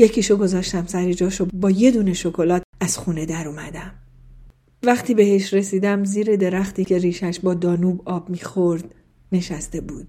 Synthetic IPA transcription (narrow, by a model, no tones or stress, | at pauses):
je̞cʰiːʃoɡo̞zɒːʃt̪æmsæɾed͡ʒɒːʃobɒːje̞d̪uːne̞ʃo̞kʰo̞lɒːt̪̚æz̥xuːne̞d̪æɾuːmæd̪æm | væχt̪ʰiːbe̞he̞ʃɾe̞siːd̪æmziːɾe̞d̪e̞ɾæxt̪iːcʰe̞ɾiːʃæʃbɒːd̪ɒːnuːbɒːbmiːxo̞ɾd̪̥ | ne̞ʃæst̪e̞buːd̪̥̚